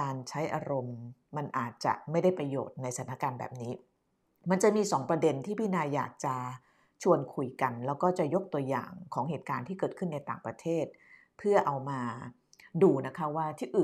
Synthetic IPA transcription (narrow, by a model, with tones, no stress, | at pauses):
aː˧nt͡ɕʰa˦˥jʔa̰ː˧ɾo˧mːa˧nʔaː˨˩t̪̚t͡ɕa̰˨˩ʔma˥˩jda˥˩jpɾa˧jo̰ː˨˩t̪̚na˧jsa˩˦nːa˦˥kaː˧nbɛ̰ː˨˩p̚niː˦˥ | ma˧nt͡ɕa˨˩miː˧sɔː˩˦ŋpɾa˧de˧nt̪ʰiː˥˩pʰiː˥˩naː˧jːaː˨˩k̚t͡ɕa˨˩ | t͡ɕʰu˧ənkʰu˧jka˧nlɛː˦˥wkɔː˥˩t͡ɕa˨˩ʔjo˦˥k̚t̪u˧əja̰ː˨˩ŋkʰɔː˩˦ŋɦeː˨˩t̪̚kaː˧nt̪ʰiː˥˩kɤː˨˩t̪̚kʰɯ˥˩nːa˧jt̪a̰ː˨˩ŋpɾa˧t̪ʰeː˥˩t̪̚ | pʰɯ˥˩ɐʔa˧wmaː˧ | duː˧na˦˥kʰa˦˥waː˥˩t̪ʰiː˥˩ʔɯː˨˩